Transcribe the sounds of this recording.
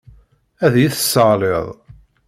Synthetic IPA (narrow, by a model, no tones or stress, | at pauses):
æðjiθəsːɑʁleðˤ